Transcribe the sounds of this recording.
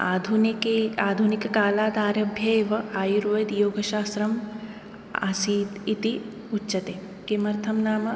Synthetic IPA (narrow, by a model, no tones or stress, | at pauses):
aːd̪ʱunkeaːd̪ʱunikɐkaːlaːd̪ʱaːɾɐbʱjɐeːʋɐaːjuɾʋɐjɐd̪joːɡɐʃaːsɾɐm | a̰siːt̪i | utːʃɐt̪eː | kemɐɾt̪ʰɐmnaːmɐ